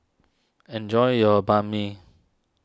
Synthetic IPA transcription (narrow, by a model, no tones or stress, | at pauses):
ɛ̃nd͡ʒɔɪjɔbami